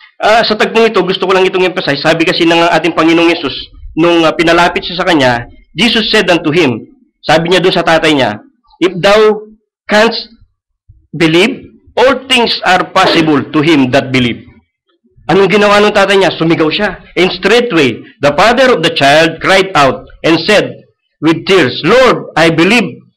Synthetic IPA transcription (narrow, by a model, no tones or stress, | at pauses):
ʔaːsɐt̪ɐɡ̚t̪oŋɪt̪o̞ɡʊst̪okolɐŋɪt̪oŋɪmpɛsajsaːbɪkɐsinɐŋŋʔa̰ːt̪ɪŋpɐŋɪnoŋhɛsusnʊŋpɪnɐlaːpɪt̪̚ʃasɐkɐɲa | d͡ʒiːsosːɛd̪ɐnt̪ʊɦɪm | saːbɪɲad̪ʊnsɐt̪aːt̪ɐjɲa̰ | ʔɪfd̪aw | kanst̪̚ | bɪliv | ʔolt̪ɪŋsɐɹpasɪbʊlt̪ʊɦɪ̃md̪ɐt̪̚bɪliv̚ | ʔɐnoŋɡɪnɐwanʊŋt̪aːt̪ɐjɲasʊmɪɡawʃaɪnst̪ɾet̪wejd̪ɐpad̪ɛɾɔvd̪ɐt͡ʃajld̪̚kɹajd̪awt̪̚ʔɛ̃nsɛd̪̚ | wɪd̪̚t̪iɹsloɹd̪̚ajbɪliv̚